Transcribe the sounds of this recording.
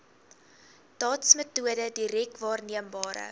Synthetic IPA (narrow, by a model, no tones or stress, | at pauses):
d̥ɑːtsmətuədədiɾɛk̚tvɑːrniəmbɑːɾə̰